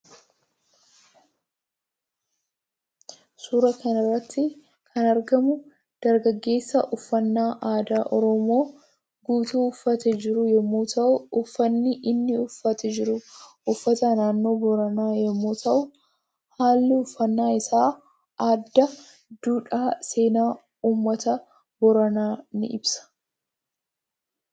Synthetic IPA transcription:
suːɾɐkɐnɐrːɐt̪ːɪ | kʰɐnɐɾɡɐmʊ | d̪̥ɐɾɡɐɡːe̞ːsːɐʔʊfːɐnːaːʔaːd̪aːʔɔɾɔmo̞ː | ɡuːt̪uːʊfːɐt̪ɛd͡ʒɪɾʊjɛmːuːt̪ʰɐʔʊʊfːɐnːɪʔɪnːɪʊfːɐt̪ɛd͡ʒɪɾʊ | ʊfːɐt̪ɐnaːnːo̞ːbɔɾɐnaːjɛmːuːt̪ʰɐʔʊ | haːlːɪʊfːɐnːaːɪsaː | ʔaːd̪ːɐ | d̪̥uːᶑaːse̞ːnaː | uːmːɐt̪ɐ | bɔɾɐnaːnɪ̰ʔɪbsɐ̥

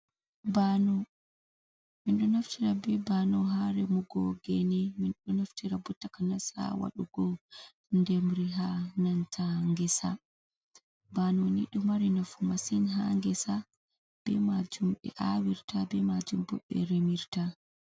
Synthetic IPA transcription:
banɔ | minɗɔnaftiɾabɛbanɔɦaɾɛmuɡɔɡɛnɛminɗɔnaftʰiɾabɔtːakanasa̰wa̰ɗuɡɔ | ndɛmɾiɦanantʰaŋɡɛsa̰ | banɔnḭɗumaɾinafumasinɦaŋɡɛsa | b̥ɛ̰mad͡ʒumɓɛ̰ʔawiɾtʰabɛmad͡ʒumbɔ̰ɓɛ̰ɾemiɾta

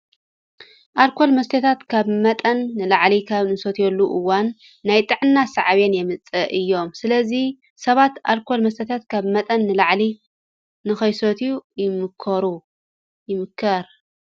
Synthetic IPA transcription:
ʔalkʰo̞lmɐst̪ʰɐt̪ʰat̪kʰaβmɐt̪ʼɐnːɨlaʕlikʰaβnɨsot̪ʰjɛlːuʔɨwanː | ajt̪ʼɨʕɨnːasaʕβenjɛmɨt͡sʼɐʔɨjːo̞msɨlɐzi | sɐβat̪ʔalkʰo̞lmɐs̬t̪ʰɐt̪ʰat̪kʰaβmɐt̪ʼɐnːɨlaʕli | nɨxɐjsot̪ʰijujɪmɨkʰːɐɾu | jɪmɨkʰːɐɾ

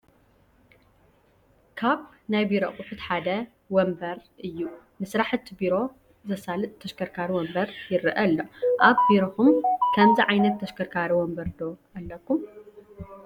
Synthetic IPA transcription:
kʰaβ | najbiɾokʼuħɨt̪ħad̪ɐ | wɔmbɐɾʔɨjːu | mɨsɾaħɨt̪biɾo̞ | zɐsalɨt̪ʼt̪ʰːɐʃkʰɐɾkʰaɾiwɔmbɐɾjɪɾɨʔɐlːoʔaβbiɾoxumkʰɐmziʕajnɐt̪ʰːɐʃkɐɾkʰaɾiwɔmbɐɾd̪o̞ʔɐlːɐkːum

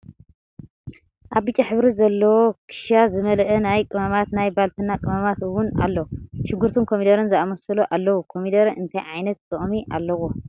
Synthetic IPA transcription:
ʔaβbit͡ʃʼaħɨβɾizɐlːɐwokʰɨ̥ʃjazɨmɐlʔɐnajkʼɨmamat̪najbalt̪ʰɨnːakʼɨmamat̪ɨwʊna̰lːɐwʃɪɡːuɾt̪ʰunkʰomid̪ɐɾɨnzɨamɐsɐluʔalːɐwukʰo̞mid̪ɐɾɨnt̪ʰɐjʕajnɐt̪̚tʼɨʔʼmiʔa̰lːɐwo

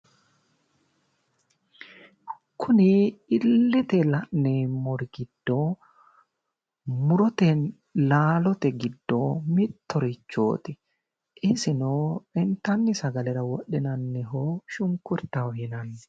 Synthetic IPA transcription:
kʰʊnɪɪlːɪt̪ɛlɐʔnemɔɾɡɪd̪ːoː | mʊɾɔt̪ɛn | laːlɔt̪ɛɡɪd̪ːoːmɪt̪ːɔɾɪt͡ʃːo̰ːt̪ɪ | ʔɪsɪnoːɛnt̪ɐnːɪsɐɡɐlɛɾɐwɔɗɪnɐnːɛɦoːʃʊŋkʊɾt̪ɐwhɪnɐnː

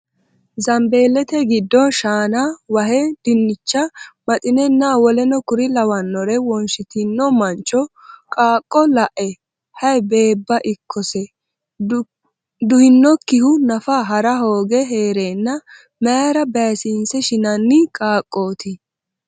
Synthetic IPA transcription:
zɐmbe̞ːlːɛt̪ɛɡɪd̪ːɔnʃaːnawɐɦɛd̪̥ɪnːɪt͡ʃːɐmɐt̪ʼɪnɛnːawɔlɛnɔkʊɾɪlɐwɐnːɔɾɛwɔnʃɪt̪ɪnːɔmɐnt͡ʃʼːɔkʼaːkʼːɔlɐʔɛ | hɐjbe̞ːbːɐʔɪkʰːɔsɛ | d̪ʊhɪnːɔkːɪhʊnɐfaːɦɐɾɐɦoːɡɛɦeːɾe̞ːnːɐ | mɛjaɾɐbɛsiːnsɛʃɪnɐnːɪkʼaːkʼːo̞ːt̪ɪ

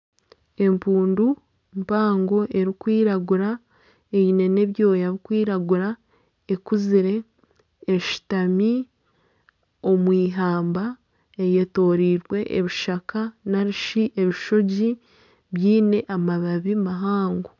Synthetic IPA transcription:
e̞mpuːndu | mpaːŋɡo̞ʔe̞ɾikwiːɾaɡuɾa | eine̞ne̞βjo̞ːjaβikwiːɾaɡuɾa | ekuziɾe̞ː | ʃi̥tami | omwiːɦaːmba | eje̞to̞ːɾiːɾɡwe̞ʔeβiʃakanaɾiʃiʔeβiʃo̞ɟi | βjiːne̞ʔamaβaβimaɦaːŋɡo

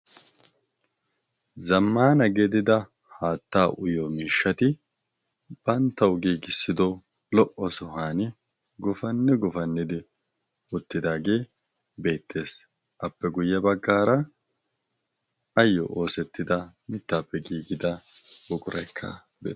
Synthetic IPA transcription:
zɐmːaːnɐɡed̪ɪd̪ɐ | haːt̪ːaːʔʊjɔmiːʃːɐt̪ɪ | b̥ɐnt̪ːɐwʊɡiːɡɪsːɪd̪ɔ | lɔʔːɔsɔɦaːnɪ | ɡʊfɐnːɛɡʊfɐnːɪd̪ɪ | ʊt̪ːɪd̪aːɡe̞ː | be̞ːt̪ːe̞ːs | ʔɐpːɛɡʊjːɐbɐɡːaːɾɐ | ɐjːɔ̰ʔo̞ːsɛt̪ːɪd̪ɐmɪt̪ːaːpːɛɡiːɡɪd̪ɐbʊkʼʊɾɐjkʰːɐ̰ | bḛː

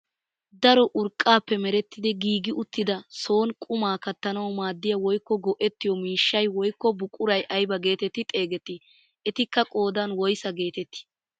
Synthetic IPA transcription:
d̪ɐɾɔʔʊɾkʼːaːpːɛmɛɾɛt̪ːɪd̪ɪɡiːɡɪʔʊt̪ːɪd̪ɐso̞ːnkʼʊmaːkɐt̪ːɐnɐwmaːd̪ːɪjɐwɔjkːɔɡɔʔɛt̪ːɪjɔmiːʃːɐjwɔjkːɔbʊkʼːʊɾɐjʔɐjbɐɡe̞ːt̪ɛt̪ːɪt̪ʼe̞ːɡɛt̪ːɪ | ɛt̪ɪkːɐkʼo̞ːd̪ɐnwɔjsɐɡe̞ːt̪ɛt̪ːɪ̥

